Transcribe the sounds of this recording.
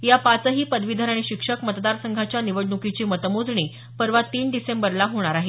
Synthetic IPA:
japat͡səɦiːpəd̪ʋid̪ʱəɾaɽ̃iɕikʂəkmət̪d̪aɾsəŋɡʱat͡ɕjaniʋəɽɳukit͡ɕiːmət̪əmod͡zɳ̃iː | pəɾʋat̪iːɳɖisembəɾlaɦoɽ̃aɾaɦe

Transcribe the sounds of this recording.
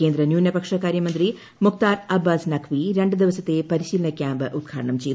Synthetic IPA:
ke̞ːnd̪ɾɐnjuːnjɐpɐkʂɐkaːɾjɐmɐnd̪ri | muk̚t̪aːɾɐbːaːsnɐkʰʋiɾe̞ɳɖɨd̪iʋɐsɐt̪ːe̞pɐɾiɕiːlɐɳɐkʲjaːmbɨʔud̪̚ɡʰʱa̰ːɾɐɳɐmt͡ɕej

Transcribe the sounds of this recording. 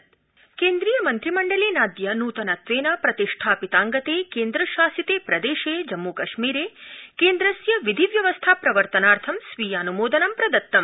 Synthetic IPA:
keːnd̪ɾiːjɐmɐnt̪ɾimɐɳɖɐleːnaːd̪jɐnuːt̪ɐnɐt̪ʋeːnɐpɾɐt̪iʂʈʰaːpit̪aːŋɡɐt̪eːkeːnd̪ɾɐʃaːsit̪eːpɾɐd̪eːʃeːd͡ʒɐmːukɐʂmiːɾeːkeːnd̪ɾɐsjɐʋid̪ʱiʋjɐʋɐst̪ʰaːpɾɐʋɐɾt̪ɐnaːɾt̪ʰɐmsʋiːjaːnumoːd̪ɐnɐmpɾɐd̪ɐt̪ːɐm

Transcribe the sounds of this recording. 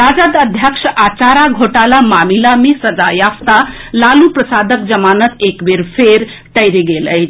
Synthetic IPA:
ɾad͡zad̪əd̪ʱjəkʂəʔat͡ʃaɾaɡʱoʈalamamilamesəd͡zajaft̪alalupɾəsad̪ʱək̚d͡zəmanət̪ekbeɾpʰeɾ | ʈəjɾeɡeləjt͡ʃʰ

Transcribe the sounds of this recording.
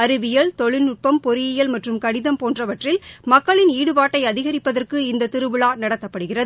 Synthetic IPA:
ɐɾɯʋɪjɐɭt̪ɔɭɪnʊʈ̚pɐmpɔɾɪjɪjɐlmɐʈrɯmkɐɽɪðɐmpoːndrɐʋɐʈrɪlmɐkːɐɭɪniːɽɯpaːʈːɐɪɐðɪɣɐɾɪpːɐðɐrkɯɪnd̪ɐt̪ɪɾɯʋɯɭaːnɐɽɐt̪ːɐpːɐɽɯɣɪrɐð

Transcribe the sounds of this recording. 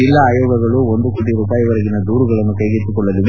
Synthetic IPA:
ilːɐaːjoːɡɐɡɐɭuond̪ukuʈiɾuːpaːjiʋɐɾɐɡinɐd̪uːɾuɡɐɭɐnːukɐjɡit̪ːukɔɭːɐd̪iʋ

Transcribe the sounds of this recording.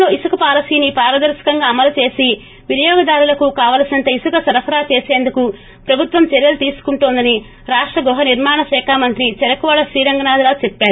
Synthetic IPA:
loːisukɐpaːɾɐsiːnipaːɾɐd̪ɐɾʃɐ̥kɐŋɡaːɐmɐlut͡ʃe̞ːsi | ʋinijɔːɡɐd̪aːɾulɐkukaːʋaːlɐsinɐnt̪ɐisukɐsɐɾɐpʰɐɾaːt͡ʃe̞ːse̞ːnd̪uku | pɾɐbʱut̪ʋɐmt͡ʃɛɾjɐlut̪iːsu̥kuɳʈoːnd̪ɐni | ɾaːʂʈɾɐɡɔɦɐniɾmaːɳɐʃɛːkʰaːmɐnt̪ɾit͡ʃɛɾɐkuʋaːɭɐʃɾiːɾɐŋɡɐnaːd̪laːt͡ʃepːaːɾu

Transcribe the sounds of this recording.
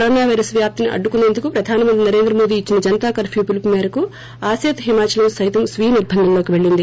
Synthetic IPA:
ɾɐːnaːʋɐɾɐsʋjaːp̚t̪iniʔɐ̰ɖːukuneːnd̪ukupɾɐd̪ʱaːnɐmɐnt̪̬ɾinɐɾe̞ːnd̪ɾɐmo̞ːd̪iːt͡ʃːinɐd͡ʒɐnt̪aːkɐɾpʰjuːpulpmɛːɾɐku | aːseːt̪ɦimaːt͡ʃɐlɐmsɐjt̪ɐmsʋiːɦniɾbʱːɐnd̪ʱɐmloːkiʋe̞ɭːind̪i

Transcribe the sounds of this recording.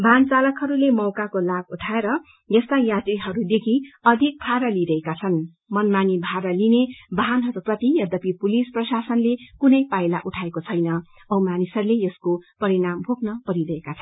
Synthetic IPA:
bʱant͡salʌkɦʌɾulemʌwkakolabuʈʰaeɾʌ | jʌst̪ajat̪riɦʌɾud̪ekʰiʌd̪ʱik̚pʰaɾʌliɾʌekat͡sʰʌn | mʌnmanibʱaɾʌlinebʱanɦʌɾuprʌt̪ijʌd̪ʌpipulisprʌsasʌnlekunʌjpajlaʔuʈʰaekot͡sʰʌjnʌ | ʌwmanisʌɾulejʌskopʌɾinambʱoknʌpʌɾiɾʌɦekat͡sʰʌn

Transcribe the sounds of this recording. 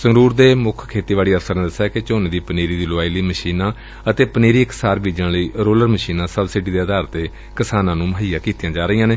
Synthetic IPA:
səŋɾuːɾd̪eːmʊkʰkʰeːt̪iːʋaːliːəɾsəɾnẽːd̪əsːaɛket͡ʃoːneːd̪iːpəneːɾiːd̪iːloaːiliːməʃiːnãː | ət̪eːpəneːɾiːɪksaːɾbiːd͡ʒəɳləiːɾoːləɾməʃiːnãːsəbsiɖiːd̪eːəd̪aːɾt̪ːeː | kɪsaːnãːnũːməɦiːaːkiːt̪ijãːd͡ʒaːɾəiːãːneː

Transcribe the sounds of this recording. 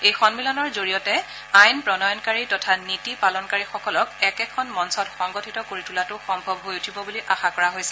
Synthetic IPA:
ejxɔnmilɔnɔɹzoɹijɔtɛ | ajnpɹɔnɔjɔnkaɹitɔtʰanitipalɔnkaɹixɔkɔlɔkɛkɛkʰɔnmɔnsɔtxɔŋɡɔtʰitɔkoɹitulatʊxɔmbʱɔbɦojutʰibɔbuliʔaxakɔɹaɦojsɛ

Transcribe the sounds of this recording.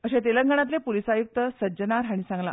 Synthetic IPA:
əɕet̪eləŋɡəɳ̃at̪̬lepolisajuk̚t̪əsəd͡ʑənaɾɦaɽ̃isãŋɡla̰

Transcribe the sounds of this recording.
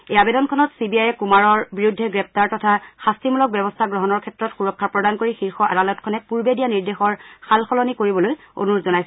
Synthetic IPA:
eabedɔnkʰɔnɔtsibiajɛkumaɹɔɹbiɹudʱːɛɡɹɛp̚ʰtaɹtɔtʰaxastimulɔk̚bɛbɔstʰaɡɹɔɦɔnɔɹkʰɛtːɹɔtxuɹɔkʰːapɹɔdankoɹixiɹxɔʔa̰dalɔtkʰɔnɛpuɹbedijaniɹdexɔɹxalxɔlɔnikoɹibɔloj | o̰nuɹzɔnajs

